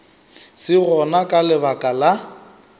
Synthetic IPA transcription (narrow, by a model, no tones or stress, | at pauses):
sɪɣɔnakʼalɪbakʼala